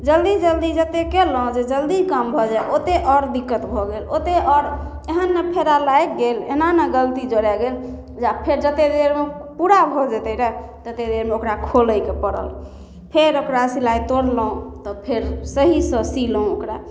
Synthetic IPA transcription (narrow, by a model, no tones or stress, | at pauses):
d͡ʒəld̪id͡ʒəld̪id͡ʒət̪ekelɔõd͡ʒed͡ʒəld̪ikəmbʱɔd͡ʒajot̪eʔɔɾd̪ikːət̪bʱɔɡelot̪eɔɾ | eɦənːepʰeɾalajk̚ɡelḛɦnanəɡəlt̪id͡ʒoɽɛɡel | d͡ʒapʰeɾd͡ʒət̪ed̪eɾmepuɾabʱɔd͡ʒət̪əɾɛ | d͡ʒət̪ed̪eɾmeokɾakʰoləjkepəɽə̰l | pʰeɾokɾasilajt̪oɽlɔõt̪ɔpʰeɾsəɦisə̃siləũokɾa